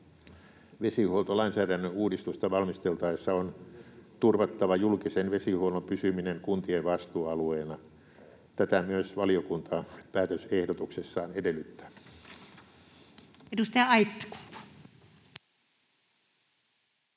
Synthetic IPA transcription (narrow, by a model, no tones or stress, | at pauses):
ʋesihuolt̪olɑinsæːɾænːøuːdist̪ust̪ɑʋɑlmist̪elt̪ɑesːɑont̪urʋɑt̪ːɑʋɑjulkisenʋesihuonopysymineŋkunt̪ieʋʋɑst̪uːɑlueːnɑ | t̪æt̪æmyøsʋɑliokunt̪ɑpæːt̪øsehdot̪uksesːɑːnedelːˑyt̪ːæ̥ | edust̪ɑjɑɑip̪ːi̥ku̥mpu̥